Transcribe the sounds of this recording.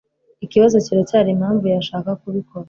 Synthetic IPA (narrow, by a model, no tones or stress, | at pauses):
ikiβazo̞ciɾacaːɾimhaːɱvujaʃaːkakuβiko̞ɾa